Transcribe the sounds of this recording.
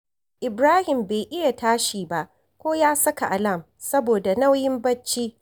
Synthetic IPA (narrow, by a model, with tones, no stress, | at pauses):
ʔɪ˨bɾaː˦hɪ˨mbeː˨ʔɪ˦ja˨taː˦ʃiː˨ba˦ʔ | kʷoː˦jaː˦sɐ˦ka˨ʔa˨lɐ˦˨m | sɐ˦boː˨da˨na˦wjɪ˦mbɐ˦t͡ʃːiː˦